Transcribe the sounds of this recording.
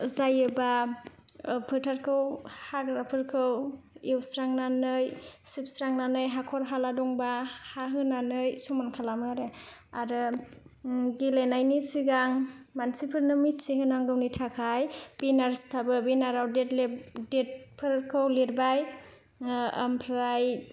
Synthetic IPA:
zajɯba | pʰɯtʰaɾkʰɯwhaɡɾapʰɯɾkʰɯwewsɾaŋnanɯjsip̚sɾaŋnanɯjɦakʰɔɾɦaladɔŋbahaɦɯnanɯjsumankʰalamɯɾeaɾɯ | ɡilajnajnisiɡaŋmansipʰɯɾnɯmitsiɦɯnaŋɡɯwnitʰakʰajb̥inaɾstʰabɯbinaɾawdetldet̚pʰɯɾɾkʰɯwliɾbaj | mpʰɾaj

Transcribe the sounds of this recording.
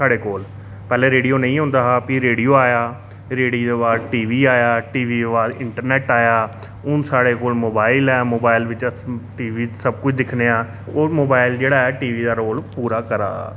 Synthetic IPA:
saːɽeːkoːl | pɛːleːɾeːɽijoːnəĩːɦʊ̃ːnd̪aːɦaːpiːɾeːɽijoːaːjaː | ɾeːɽiːd̪eːʋaːdʈiːʋiːaːjaːʈiːʋiːeʋaːd̪ɪ̃ɳʈəɾnɛːʈaːjaː | ʊsaːɽeːkoːlmoːbaːɪlɛːmoːbaːɪlʋɪt͡ʃʈiːʋiːsəb̚kʊt͡ʃʰd̪ɪkʰneːaː | oːmoːbaːɪld͡ʒeːɽaːɛːʈiːʋiːd̪aːɾoːlpuːɾaːkəɾa̰ː

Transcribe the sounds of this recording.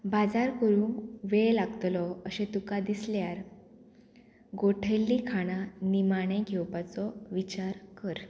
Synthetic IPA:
bad͡zaɾkəɾũːŋkʋeɭlaɡət̪lɔəɕet̪ukad̪isljaɾ | ɡoʈʰelːikʰaɽ̃animaɽ̃eɡʱewpat͡sɔʋit͡ɕaɾkəɾ

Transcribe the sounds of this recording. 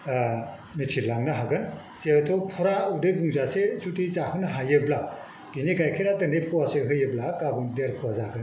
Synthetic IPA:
nɯtʰilaŋnaɦaɡɯn | setʰɔpʰɔɾaudebuŋzasesutʰizahɯnaɦajɯbla | biniɡajkʰiɾatɐnepʰɔwaseɦɯjɯblakabɯŋdeɾpʰɔwazaɡɯn

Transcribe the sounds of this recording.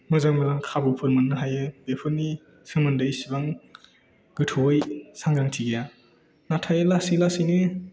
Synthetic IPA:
mɯzaŋmɯzaŋkʰabɯpʰɯɾmɯnːɯɦajɯbepʰɯnːi | sɯmɯndɯjsibaŋ | ɡɯtʰɔjsaŋɡɾaŋtʰiɡeja | natʰajɯlasilasijnɯ

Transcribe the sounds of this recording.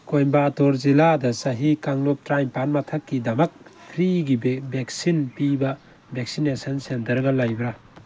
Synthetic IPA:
kojbatoɾziladɐsɐɦikaŋlop̚tɾajmpanmɐtʰɐkːidɐmɐk̚pʰɾiɡibbeksinpibɐ | beksinesɐnsentɐɾɡɐlajbɾa

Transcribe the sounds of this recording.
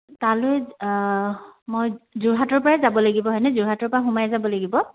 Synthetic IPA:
talojɛ | mojzuɹɦatɔɹpɔɹazabɔlaɡibɔɦɔjnɛzuɹɦatɔɹpɹaxumajɛzabɔlaɡibɔ

